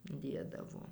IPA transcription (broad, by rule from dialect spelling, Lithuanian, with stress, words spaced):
ˈdʲeːdɐʋoː